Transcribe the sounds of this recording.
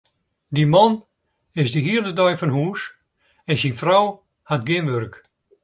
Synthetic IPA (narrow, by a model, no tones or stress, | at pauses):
dimɔn | ɪsdiɦiəlˠdədœjfɔnhuːs | ɛnsinfrɔw | hatɡɪnʋørk